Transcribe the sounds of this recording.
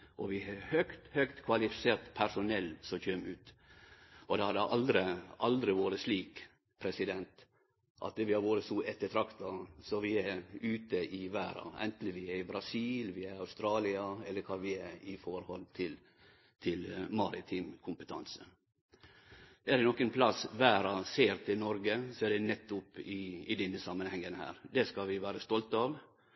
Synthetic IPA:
ʔɔʋɪhœkt̪hœkt̪kʰʋɑlɪfɪseːɾt̪pʰæʂʊnɛlːsɔçøːmʉːt̪ | ɔd̪ɛhɑd̪əʔɑld̪ɾəʔɑld̪ɾɪʋoːɾəsliːk | pʰɾɛsɪd̪ɛnt̪ | ʔɑ̰t̪̚d̪ɛʋɪhɑɾʋoːɾəsuɛt̪ːət̪ʰɾɑkt̪ɑsɔʋɪæʉːt̪əʔɪʋæːɾɑ̰ɛ̰nt̪n̩ʋɪɛɪbɾɑsiːlʋɪɛɾɑʉst̪ɾɑːlɪɑɛlːəɾkʰɑːʋɪɛɪfɔɾhɔlt̪ʰɪl | t̪ʰɪlmɑɾɪt̪ʰɪmkʰʊmpət̪ʰɑ̰nsə | ɛd̪ɛnɔkːənpʰlɑsʋæːɾɑseːɾt̪ʰɪlnɔɾɡəsɔɛɖ̪ɛnɛt̪ːʊpːɪɪd̪ɛnːəsɑmːənhɛŋːənhæ̰ːɾd̪ɛskɑʋɪʋæːɾəst̪ɔlt̪ɑːʋ

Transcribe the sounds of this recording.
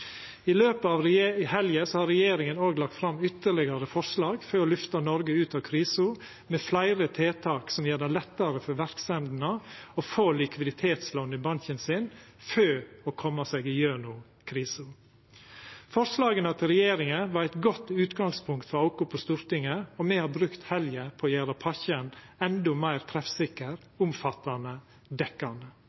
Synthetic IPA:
ɪløːpəɑːʋɾhɛljəsɔhɑɾɛjeːɾɪŋənoːɡlɑk̚t̪fɾɑmʏt̪ːəɭɪɡɑɾəfɔɾʂlɑːɡføːɔːlʏft̪ɑnɔɾɡəʉːt̪ɑʋkʰɾiːsʊ | meːflæɪɾət̪ʰeːt̪ʰɑːksɔmjeːd̪ælɛt̪ːəɾəfɔɾʋæɾksɛnd̪nəofoːlɪkʰʋɪd̪ɪt̪ʰeːt̪sloːnːəbɑnçənsɪn | føːɔːkʰɔmːɑseːɡɪjøːɳʊ | kʰɾiːsʊ | fɔɾslɑːɡənɑt̪ɾɛjeːɾɪŋəʋɑɾæɪt̪ɡɔt̪ːʉːt̪ɡɑŋspʰʊŋkt̪fɔɾɑʊkʊpʰɔst̪uːɾt̪ɪŋəɔmɛhɑɾbɾʉkt̪hɛljəpʰɔjæːɾɑpʰɑçənɛnd̪ɔmæɪɾt̪ʰɾɛfsɪkːəɾ | ʊmfɑt̪ːɑnə | d̪ɛkɑnd̪ə

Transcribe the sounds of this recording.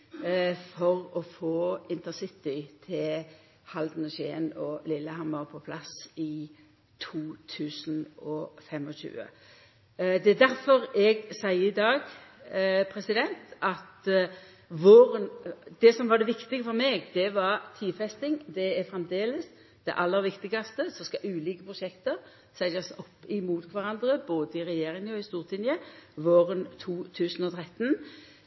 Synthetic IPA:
fɔɾɔfoːɪnt̪əsɪt̪ɪt̪ʰɪl | hɑld̪n̩ɔɕḛːnɔlɪlːəhɑmːəɾpʰɔpʰlɑsɪ | t̪ʰuːt̪ʰʉːsnɔfɛmɔʃʉ̰ːə̰ | d̪ɛd̪æɾfɔɾɛɡsæɪəɪd̪ɑːɡ | pʰɾɛsɪd̪ɛnt̪ɑt̪ | ʋoːɾənd̪̥ɛsɔmʋɑd̪ɛʋɪkt̪ɪɡəfɔɾmeːɡd̪ɛʋɑɾt̪ʰiːfɛst̪ɪŋd̪ɛæɾfɾɛmd̪eːləs | d̪̥ɛʔɑlːəɾʋɪkt̪ɪɡɑst̪əsɔskɑʔʉːliːkəpʰɾʊʃɛkt̪əɾ | sæɪɑsɔpːɪmuːt̪kʰʋɑɾɑnd̪ɾəboːd̪əɪʁɛjeːɾɪŋəɔɪst̪uːʁt̪ʰɪnjəʋoːɾənt̪ʰuːt̪ʰʉːsənɔt̪ʰɾɛt̪ːn

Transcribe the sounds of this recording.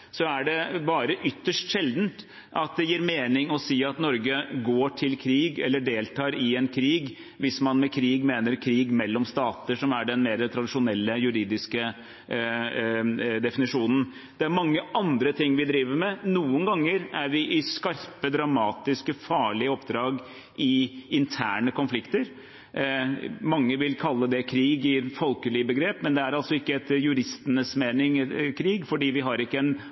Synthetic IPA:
sɔæɖɛbɑːɾəʔʏt̪ːəʂʈʂɛld̪n̩t̪ | ʔɑt̪̚d̪ɛjiːɾmeːnɪŋɔsiːɑt̪nɔɾɡəɡoːʈʰɪlkʰɾiːɡɛlːəɖeːlt̪ʰɑːɾɪɛnkʰɾiːɡ | ʋɪsmɑnmɛkʰɾiːɡmeːnəɾkʰɾiːɡmɛlːɔmst̪ɑːt̪əʂɔmæɖɛnmeːɾət̪ʰɾɑd̪ɪʂʊnɛlːəjʉɾiːd̪ɪskə | d̪ɛfɪnɪʂuːnən̩ | d̪̥ɛæɾmɑŋːəʔɑnd̪ɾət̪ʰɪŋːʋɪd̪ɾiːʋəɾmɛnuːənɡɑŋːəɾæɾʋɪʔɪskɑɾpəd̪ɾɑmɑːt̪ɪskəfɑːɭɪəɔpd̪ɾɑːɡ | ɪɪnt̪ʰæːɳəkɔnflɪkt̪əɾ | mɑŋːəʋɪlkʰɑlːəd̪ɛkʰɾiːɡɪfɔlkəlɪəbəɡɾeːpmɛnd̪ɛæɾɑlsɔɪkːəɛt̪jʉɾɪst̪ənəsmeːnɪŋkʰɾiːɡfɔɖiːʋɪɦɑɾɪkːəɛn

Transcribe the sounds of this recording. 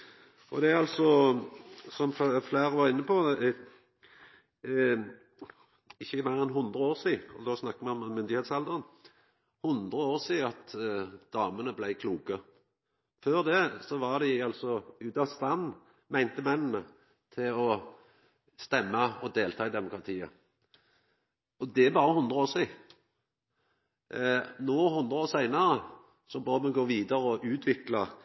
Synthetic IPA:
ɔd̪ɛɑlsɔ | sɔmfflæːʁʋɑʁɪnːəpʰɔ | ɪçːəmæɪʁɛnɦʊnd̪ɾəoːʁsiːɔ̰d̪osnɑkːəmɛɔmmːʏnd̪ɪheːt̪sɛld̪əʁən | hʊnd̪ɾəoːʁsiːɑt̪d̪̥ɑːmənəblæɪkʰluːkə | føːʁd̪ɛsɔʋɑʁd̪ɛɑlsɔʉːt̪ɑst̪ɑnː | mæɪnt̪əmɛnːnə | t̪ʰɪlɔ | st̪ɛmːɑɔd̪eːlt̪ʰɑːɪd̪ɛmʊkɾɑt̪ʰiːə̰ | ɔd̪ɛæbɑːʁəhʊnd̪ɾəoːʂiː | nɔhʊnd̪ɾəoːʁsæɪnɑʁə | sɔbœːd̪mɛnɡoːʋiːd̪ɑɾəɔʔʉːt̪ʰʋɪklɑ

